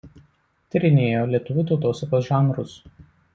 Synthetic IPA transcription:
t̪ʲɪɾʲɪnʲeːjoːlʲiɛt̪ʊʋʲuːˑt̪ɒʊt̪oːsɐkoːsʒʲɛŋɡɾʊs

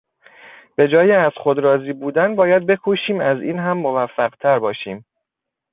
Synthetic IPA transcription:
b̥e̞d͡ʒɒːjeæz̥xo̞d̪ɾɒːziːbuːd̪ænbɒːjæd̪̚be̞kʰoʃiːmæziːnɦæmːovæfːæɢt̪ʰæɾbɒːʃiːm

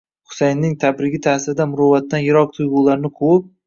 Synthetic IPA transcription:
χʊ̥sajnːɪŋt̪ʰabɾɪɡʲɪt̪ʰasɪɾɪd̪amʊɾɒvat̪ːanjɪɾɒq̚t̪ʰʊjʁʊlaɾɪnɪkʰop̚

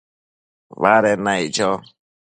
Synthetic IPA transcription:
βaɾɛnajd͡ʒɔ

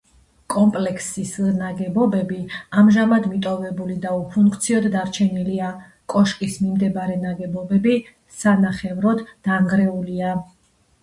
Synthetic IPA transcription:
kʼɔmpʼlɛkʰsisnaɡɛbɔbɛbiamʒamad̪mit̪ʼɔvɛbulid̪aupʰuŋkʰt̪sʰiɔd̪d̪aɾt͡ʃʰɛnilia | kʼɔʃkʼismimd̪ɛbɾɛnaɡɛbɔbɛbi | sanaχɛvɾɔd̪d̪̥aŋɡɾɛulia

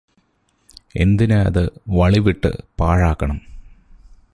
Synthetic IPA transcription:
e̞̰nd̪inɨɐ̰ðɨʋɐɭiʋiʈːɨ̰paːɻaːkːɐɳɐm

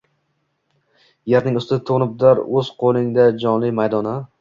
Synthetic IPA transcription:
jeɾnɪŋʊst̪ɪt̪ʰonʊb̚d̪aɾɵz̥qʰolˠɪŋd̪ad͡ʒɒnlɪmajd̪ɒna

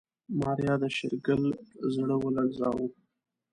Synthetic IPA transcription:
mɑɾjɑd̪əʃɪɾɡəlzɽəwəlaɡzɑ̰wu

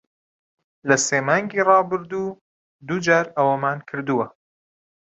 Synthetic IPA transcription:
lɐseːmɑːŋɡiːrɑːbɨɾd̪uː | d̪ud͡ʒaːɾɐwɐmaːnkʰɨɾd̪uwɐ

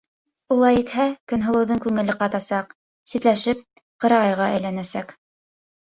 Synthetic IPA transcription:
ulˠɑjit̪hækɵ̆nɦŏlˠɤ̆wðɤŋkʉŋɘ̆lɘqɑt̪ɑsɑq̚ | sit̪læʃɘp̚ | qɤ̆ɾɑʁɑjʁɑæjlænæsæk

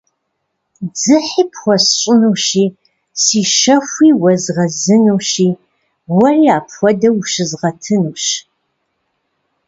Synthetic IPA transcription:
d͡zɨħiːpʰχʷɔsɕʷʼʊnuʃiː | siːʃɐxʷiːwɐzʁɐzɨnuwʃiː | wɐriːaːpʰxʷɔdɐwʃɨzʁɐtʰɨnuːʃ

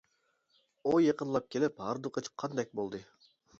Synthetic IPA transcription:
ujeqənlˠɑp̚kʲʰelɪphɑɾd̪uqʰət͡ʃʰqʰːɑnd̪ɛk̚ʲbolˠd̪ɨ

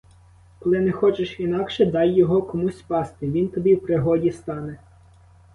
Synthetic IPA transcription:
kɔlˠɪnɛxɔt͡ʃɪʃinɑkʃɛd̪ɑjːɔɦɔkɔmusʲpɑst̪ɪʋʲint̪ɔbʲiwpɾɪɦɔdʲist̪ɑnɛ

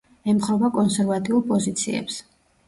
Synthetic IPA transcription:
ɛmχɾɔvakʼɔnsɛɾvat̪ʼiulˠpʼɔzit̪sʰḭɛ̰ps

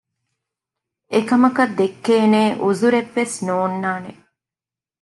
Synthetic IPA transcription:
ekɐmɐkɐd̪ekːeːneːʔuzuɾeʋːesnoːnːaːne

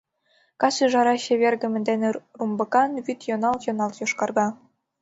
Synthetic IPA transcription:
kɑsiʒɑɾɑɕeβʲerɡɘ̆mɘ̆nd̪enerumbɤ̆kɑnβyt̪jɤ̆nɑlˠt̪jɤ̆nɑlˠt̪joʃkɑrɣɑ

